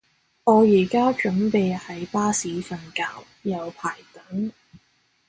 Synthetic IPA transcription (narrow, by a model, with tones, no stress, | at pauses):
ŋɔː˨˧jiː˨˩kaː˥t͡ʃɵ˨˥npe˨˧jhɐ˨˥jpaː˥siː˨˥fɐ˨nka̰ː˧w | jɐ˨˧wpʰaː˨˩jt̪ɐ˨˥ŋ